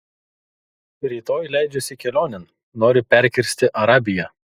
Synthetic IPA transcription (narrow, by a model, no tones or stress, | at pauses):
ɾʲiːt̪oːjlʲæˑɪd͡ʒʲɛsʲɪkʲɛlʲoːnʲɛn | noːɾʲɪpʲɛɾʲkʲɪɾʲsʲt̪ʲɪʔɐɾɑːbʲɪjɛ